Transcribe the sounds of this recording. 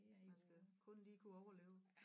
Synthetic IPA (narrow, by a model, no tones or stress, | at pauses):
ænsɡ̥əkʰɔ̽nliːkʰuɒʊɐle̝̰ːʊ